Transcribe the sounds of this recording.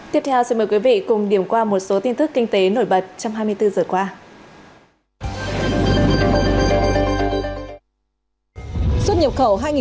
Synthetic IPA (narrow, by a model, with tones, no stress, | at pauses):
t̪i˦˥əp̚t̪ʰɛ˧wsi˧nmə˨˩jkwi˨˦vḭ˧˨kʊ˨˩ŋ͡mɗi˧˩əmkwaː˧mo˨˩t̚so˨˦t̪i˧nt̪ɨ˦˥kːï˧ŋ̟t̪e˨˦no˧˩jɓə˨˩t̚t͡ɕɔ˧wŋ͡mɦaː˧jmɨ˧əjt̪ɨ˧zəː˨˩kwaː˧ | swə˥t̚ɲə˨˩p̚xə˧˩wɦaː˧jŋi˨